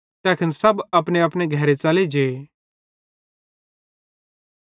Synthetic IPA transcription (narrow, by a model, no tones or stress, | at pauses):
t̪ɛːkʰənsɐbɐpneɐpneɡʱɐɾet͡saːled͡ʒe